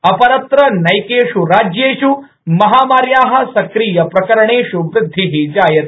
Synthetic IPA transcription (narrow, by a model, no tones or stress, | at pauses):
ɐpɐɾɐt̪ɾɐnɐjkeːʃuɾaːd͡ʒjeːʃu | mɐɦaːmaːɾjaːɦɐ̆sɐkɾiːjɐpɾɐkɐɾɳeːɕuʋɾɪd̪ʱːiɦid͡ʒaːjɐt̪̚